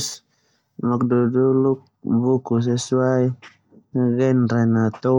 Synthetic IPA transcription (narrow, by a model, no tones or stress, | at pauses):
s | mɔk̚duduluk̚bukus̬ɛsuaj | ɡɛnɾɛnat̪ɔ